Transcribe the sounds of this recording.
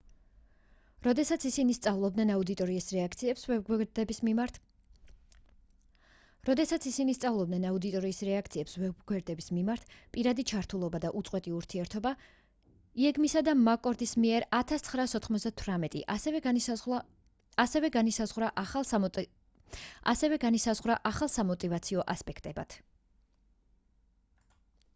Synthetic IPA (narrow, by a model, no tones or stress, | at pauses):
ɾɔd̪ɛsat̪sʰisinist̪sʼavlˠɔb̚d̪nɛnaud̪it̪ʼɔɾiːsɾɛak̪sd̪ɛb | ɾɔd̪ɛsat̪sʰisinist̪sʼavlˠɔb̚d̪nɛnaud̪it̪ʼɔɾiːsɾɛak̚ʰt̪sʰiɛpsvɛɡwɛɾd̪ɛbismimaɾt̪ʰpʼiɾad̪it͡ʃʰaɾt̪ʰulˠɔbad̪aʔut̪sʼqʼwɛt̪ʼiuɾt̪ʰiɛɾt̪ʰɔba | iɛɡmisad̪amakʼɔɾd̪ismiɛɾat̪ʰast̪sʰχɾaːsɔt̪ʰχmɔzd̪at̪ʰwɾamɛt̪ʼḭʔ | asɛvɛɡanisazʁɾaʔ | a̰sɛvɛɡanisazʁwɾaʔaχalˠsamɔt̪ʼivat̪sʰiɔʔaspʼɛkʰt̪ʼɛba̰t̪ʰ